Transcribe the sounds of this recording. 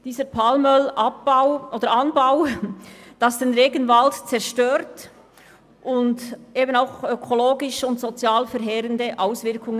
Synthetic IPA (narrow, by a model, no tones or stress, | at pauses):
d̥iːzəɾpʰɑlmœlɑp̚b̥aʊʔoːd̥əɾɑnbaʊ | d̥ɑsd̥enʁeːɡənvɑltt͡sɛɾʃtøːɾt | ʔʊntʔeːbənaʊxøkʰoloːɡɪʃʊntsot͡sjɑːlfɛɾɦɛːɾəndəʔaʊsvɪɾkʰʊŋə